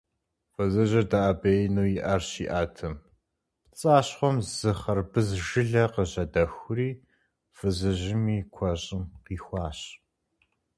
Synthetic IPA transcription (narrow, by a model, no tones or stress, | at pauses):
fɨzɨʑɐdaʔabejnuːjɪʔɐrɕḭːʔaːtʰɨm | pt͡sʼaːɕχʷɔmzɨχɐrbɨzʒɨɮɐqəʑɐdɐxʷʊriː | fɨzɨʑɪmiːkʷʰɐɕʼɪmqiːxʷɑːɕ